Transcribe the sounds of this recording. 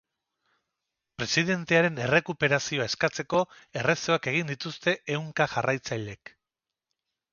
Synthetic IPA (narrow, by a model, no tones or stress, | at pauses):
pɾe̞siðe̞nt̪e̞aɾe̞ne̞re̞kupe̞ɾasio̞ae̞skat͡se̞ko̞e̞re̞so̞akeɣ̞ind̪it̪ust̪e̞ʔewŋkaʝarʔajt͡sajʎe̞k